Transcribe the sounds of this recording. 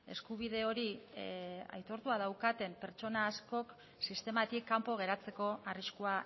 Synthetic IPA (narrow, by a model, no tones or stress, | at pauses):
e̞̰skuβ̞ið̞e̞o̞ɾi | a̰jt̪o̞ɾt̪uað̞awkat̪e̞mpe̞ɾt͡ʃo̞naːsko̞k | sist̪e̞mat̪ikːampo̞ɣ̞e̞ɾat͡se̞ko̞ariskua